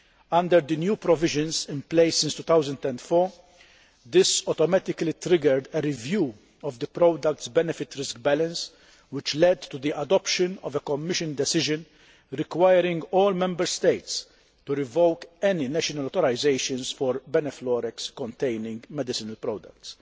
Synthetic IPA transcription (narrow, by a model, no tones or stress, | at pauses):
ɐ̃nd̪əɾd̪ənjuːpɾɔvɪʒə̃nzɪ̃mpleɪsːɪ̃nst̪ut̪awzə̃nd̪ɛ̃nt̪fɔɾ | d̪ɪsɔt̪ɔmæt̪ɪklit̪ɾɪɡəɾd̪ɛɾɪvjuː | ɔvd̪əpɾɔd̪ɐk̚t̪sbɛnɛfɪt̪ɾɪskbɛlə̃ns | wɪt͡ʃlɛd̪t̪ːud̪iʔɐd̪ɔpʃə̃nɔ̰vɛkɔmːɪʃɨ̃nd̪ɛsɪʒɨ̃n | ɾɪkwajəɾɪ̃ŋɡɔːlmɛ̃mbəɾst̪eɪt̪s | t̪uɾɪvowkɛninɛʃɔnɐlɔːt̪ɔɾaɪzeɪʃə̃nsfɔɾbɛnɛflɔːɾɛkskɔ̃nt̪eɪnɪ̃ŋɡmɛd̪ɪsɪnɐlpɾɔd̪ɐ̰k̚t̪s